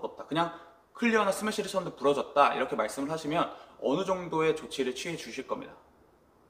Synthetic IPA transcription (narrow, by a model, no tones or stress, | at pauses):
ʌt̚t͈akɯɲaŋ | kʰɯʎːiɦanasʰɯmeɕ͈ʰiɾɯsʰʌndopuɾʌd͡ʑʌt̚t͈aḭɾʌkʰe̞maɭs͈ɯmɯɭɦaɕʰimjʌnʌnɯd͡ʑʌŋdoe̞t͡ɕot͡ɕʰiɾɯɭt͡ɕʰɥiɦed͡ʑuɕʰiɭk͈ʌmɲḭda